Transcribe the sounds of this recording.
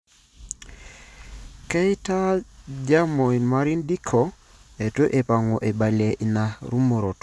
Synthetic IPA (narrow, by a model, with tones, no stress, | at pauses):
kɛ˦ɪ˦ta˦d͡ʒa˦mo˨i˨nma˦ɾi˦ndi˦kʰɔ˨ | e˨to˦ʔe˨pa˨ŋo˨ʔe˨ba˨le˨ʔi˨na˨ɾu˦mo˨ɾo˨t